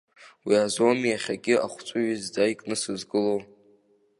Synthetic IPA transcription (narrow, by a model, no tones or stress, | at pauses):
wiazo̞miaχʲaɡʲɪa̰χʷt͡sʷʼʊɥizd͡zaikʼnɨsɨzɡɨlow